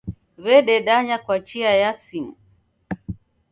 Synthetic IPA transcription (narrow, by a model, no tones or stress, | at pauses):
βɛɗɛɗaɲakwat͡ʃiajasimu